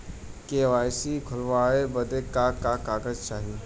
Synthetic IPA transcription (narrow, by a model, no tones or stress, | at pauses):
keʋaːjsikʰʊlʋaːɭebəd̪ʱekakakaːɡəzt͡ʃaːɦiː